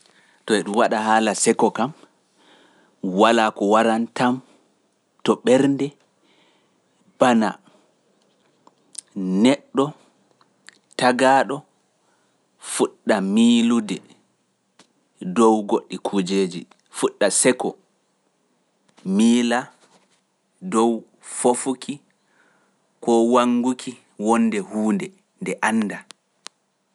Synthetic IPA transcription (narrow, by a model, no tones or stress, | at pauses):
tɔɛɗumwaɗaɦaːlasɛkɔkam | walakɔwaɾantam | tɔɓɛɾndɛ | b̥ana̰ | nɛɗːɔ | taɡaːɗɔ | fuɗːamiːludɛ | dɔwɡoɗːikʰud͡ʒeːd͡ʒḭ | fuɗːasɛkɔ | miːla | dɔw | fofukʰi | kɔwaŋɡukʰi | wɔnːdɛhuːndɛ | ndɛʔanːda